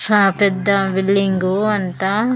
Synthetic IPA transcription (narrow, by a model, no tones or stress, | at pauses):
saːpɛd̪ːɐʋilːiŋɡuɐnt̪ɐ